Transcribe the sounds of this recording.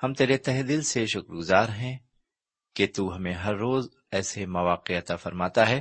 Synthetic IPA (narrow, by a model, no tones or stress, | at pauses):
hɐmt̪eːɾet̪ɛɦd̪ilseʃʊkɾɡʊzaːɾɦɛ̃ | ket̪uːɦɐmẽɦɐɾːoːz | ɛːsemɐʋaːqeɐt̪aːfɐɾmaːt̪aɦɛː